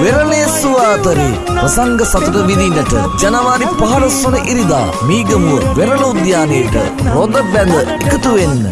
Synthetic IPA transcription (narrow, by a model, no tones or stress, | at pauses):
ʋeɾɐleːsuʋaːt̪ɐɾi | ʋɐsɐŋɡɐsɐt̪ɐɾɐʋid̪inːɐʈɨ̰d͡ʒɐnɐʋaːɾipɐɦɐɽɐsɐɳɐʔiɾid̪a̰ː | miːɡɐmuʋɐʋeɾɐlɐud̪jaːnejːʈɨ̰ | ɾod̪ɐbɐd̪ɐikɐt̪uʋenːɨ̰